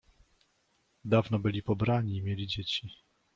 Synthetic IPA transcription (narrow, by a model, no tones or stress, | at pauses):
d̪avnɔbɘlʲipɔbɾaɲiːmʲjelʲid͡ʑet͡ɕi